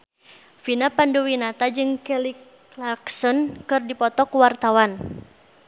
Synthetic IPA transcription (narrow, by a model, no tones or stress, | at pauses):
finapanduwinat̪ad͡ʒɨŋkɛlik | laksɔnkɨrdipɔt̪ɔkuwart̪awan